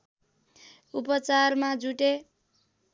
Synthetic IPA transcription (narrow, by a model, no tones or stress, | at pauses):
upʌt͡sarmad͡zuʈe